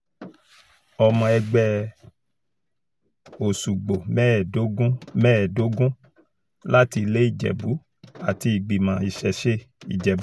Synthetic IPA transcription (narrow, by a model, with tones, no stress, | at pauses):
ɔ˧mɔ̃˧ɛ˧ɡ͡bɛ˧ | o˨su˨ɡ͡bo˨mɛ˦˨o˦ɡũ˦mɛ˦˨do˨˦ɡũ˦ | la˦ti˧le˦i˦˨d͡ʒɛ̰˨bu˨˦ | a˨ti˧i˨ɡ͡bi˨mã˨˦i˨ʃɛ˨ʃe˦ḭ˨d͡ʒɛ˨bu˨˦